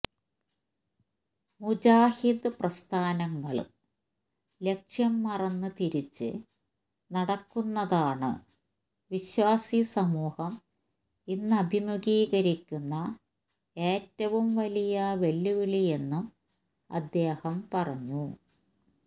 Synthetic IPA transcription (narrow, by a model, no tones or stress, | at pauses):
mud͡ʑaːhid̪prɐst̪ʰaːnɐŋːɐɭ | le̞kʂjɐmːɐrɐnːɨt̪iɾit͡ɕːɨ̰ | nɐɽɐkːunːɐðaːɳɨ̰ | ʋiɕwaːsisɐmuːhɐm | inːɨɐbʱimuɣiːɣɐɾikʲːunːɐ | e̞ːtːɐʋumʋɐlijɐʋe̞lːuʋiɭije̞nːum | ɐ̰d̪ːe̞ːhɐmpɐrɐɲːu